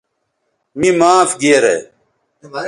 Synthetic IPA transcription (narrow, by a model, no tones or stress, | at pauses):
mimaːfɡiːɾḛ